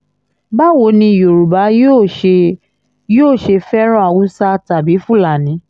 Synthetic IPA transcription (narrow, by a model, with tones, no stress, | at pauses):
ba˦˨wo˨˦nĩ˧˨jo˨ɾu˨ba˨˦jo˦˧ | joː˦˨ʃe˧fɛ˦ɾ̃ɔ̃˦a˨wu˨˦sa˦ta˨bi˨˦fũ˦˨la˨nĩ˨˦